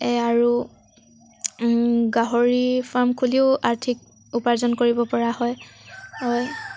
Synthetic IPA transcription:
ɛaɹu | ɡaɦoɹipʰaɹmkʰuliʊaɹtʰik̚ | upaɹzɔnkoɹibɔpɔɹahɔjhɔj

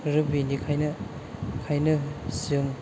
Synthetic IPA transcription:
ɾɯbinikʰajnɐ | kʰajnɐsɯŋ

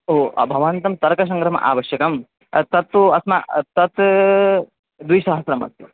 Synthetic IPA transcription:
oːɐ̰bʱɐʋant̪ɐmt̪ɐɾkɐs̬ɐ̃ŋɡɾɐmɐ̰ʔa̰ːʋɐʃjɐkɐm | t̪ɐt̪ːuɐsmɐt̪ɐt̪ | d̪ujsɐɦɐsɾɐmɐ̰t̪ju

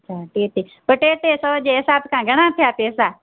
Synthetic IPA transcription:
t͡ʃʰaʈeːʈepəɾʈeːʈesəʋd͡ʑeːɦɪsaːbkʰãːɡʱɐɽ̃at̪ʰijaːpeːsaː

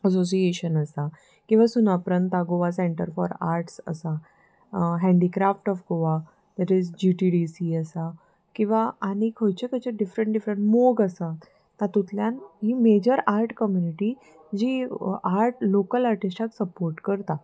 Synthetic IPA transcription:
əs̬os̬ieɕənəsa | kĩw̃ʋasunapɾənt̪aɡoʋasẽɳʈəɾfɔɾa̰ɾʈsə̰sa | ɦɛ̃ɳɖikɾafʈɔfɡoʋa | d̪̥ɛʈid͡zd͡ʑiʈiɖisiəsa | kĩw̃ʋaaɽ̃ikʰəjt͡ɕekət͡ɕeɖifɾəɳʈɖifɾəɳʈmoɡəsa | t̪at̪ut̪ljãnɦiːmed͡ʑəɾaɾʈkəmjuniʈi | d͡ʑiːaɾʈlokəlaɾʈisʈʰaksəpoɾʈkəɾt̪a

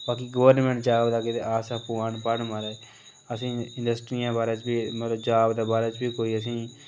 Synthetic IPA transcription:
baːkiːɡəʋəɾnmẽːɳʈd͡ʒaːbd̪aːkɪt̪eːaːsaːpuːãːɳpəɽmaːɾa | əsĩːɪ̃ɳɖəsʈɾiːjãːbaːɾãːt͡ʃbiːmət̪ləbd͡ʒaːbd̪aːbaːɾaːt͡ʃbiːkoːiːəs̬ĩː

